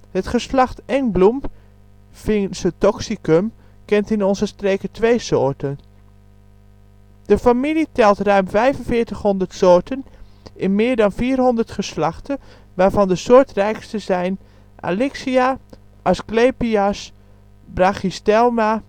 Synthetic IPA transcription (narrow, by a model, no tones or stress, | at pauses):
hətχəslɑχtɛŋblum | fɪŋsətɔksikəm | kɛntɪnɔnzəstreːkətʋejsoːɹtən | d̥əfamilitɛlˠtrœɥmfɛjvənfɪːɹtəχɦɔndəɹtsoːɹtənɪnmɪːɹdɑnfiːrɦɔndəɹtχəslɑχtə | ʋaːɹvɑndəsʊːɹtrɛjkstəzɛjn | ʔa̰lɪksia | ʔasklepias | braχistɛlˠma